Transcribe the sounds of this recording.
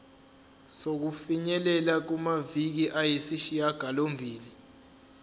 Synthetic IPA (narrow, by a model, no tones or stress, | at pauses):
sok̬ufiɲɛlɛlak̬umavik̬iʔajesiʃijaɡ̥ʱalombʱiːli